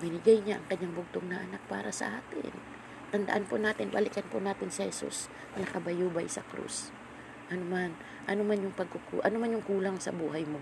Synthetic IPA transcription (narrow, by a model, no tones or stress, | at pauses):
bɪnɪɡajɲaʔɐŋkɐɲːaŋbʊɡ̚t̪oŋnɐʔɐnak̚pa̰ːɾɐsɐ̰ʔaːt̪ɪ̰n | t̪ɐnd̪a̰ʔanponaːt̪ɪnbɐ̰lɪkɐnpʊnaːt̪ɪnsɪhɛsṵs | mɐlɐkɐbɐjuːbajsɐ̰kɾṵs | ʔɐnoman | ʔɐnomanjʊŋpɐɡ̚kʊkṵʔɐnomanjʊŋkuːlaŋsɐ̰buːhajmo̞